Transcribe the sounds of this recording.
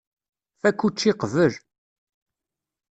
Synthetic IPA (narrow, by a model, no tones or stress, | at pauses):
fækːut͡ʃːiqvəl